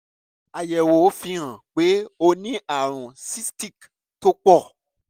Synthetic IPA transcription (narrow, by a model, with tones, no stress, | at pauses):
a˨jɛ˨wo˨˦fĩ˧ɾ̃ã˨k͡pe˨˦o˧nĩ˦ʔa˨ɾ̃ũ˨si˦sti˦˨k | to˦k͡pɔ˦˨